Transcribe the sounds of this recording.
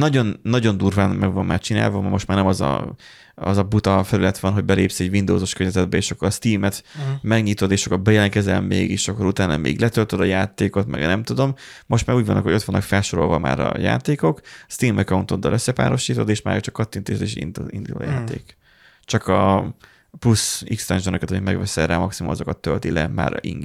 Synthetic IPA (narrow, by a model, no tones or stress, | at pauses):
nɒɟo̞nːɒɟo̞nd̪uːrvaːnmɛɡvɒmmaːrt͡ʃina̰ːlvɒmmo̞ʃt̪maːrnɛmɒzɒ̰ | ɒzɒbut̪ɒfɛlylɛt̪ʋɒnɦoɟbɛleːpsiɛɟvind̪o̰ːzoʃkørɲɛzɛd̪bɛeːʃɒkːoɾɒst̪iːmɛt̪mɛɡɲit̪o̞d̪eːʃɒkːoɾbɛjɛlɛŋkɛzɛlmːḛːɡeːʃɒkːoɾut̪aːnɒ̰mḛːɡlɛt̪ølt̪ød̪ɒjaːt̪eːko̞t̪mɛ̰ɡnɛmt̪ud̪o̞m | mo̞ʃt̪maːɾuːɟvɒnːɒkhoo̞t̪ʋɒnːɒ̰kfɛlʃo̞ɾo̞̰lvɒma̰ːɾɒ̰ja̰ːt̪eːko̞kst̪iːmɛkɒunt̪ond̪ɒ̰lʔøsːɛpa̰ːɾo̞ʃiːt̪o̞̰d̪eːʃma̰ːjt͡ʃɒ̥kːɒt̪ːint̪eːʃd̪eːʃḭd̪ḭnd̪ulo̰ːjaːt̪ḛːk | t͡ʃɒkɒ | plusikst̪ɛnʒonøkɛt̪ɒmit̪mɛɡʋɛsɛraːmɒksimumɒzo̞̰kɒt̪ːølt̪ilɛ̰ma̰ːɾḭŋ